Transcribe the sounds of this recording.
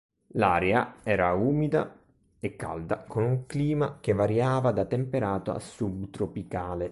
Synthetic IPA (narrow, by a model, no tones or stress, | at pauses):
laːɾeaɛːɾauːmid̪a̰ | ekːa̰ld̪akonuŋkliːmak̟evːaɾjaːvad̪at̪empeɾaːt̪oa̰sːubt̪ɾopikaːle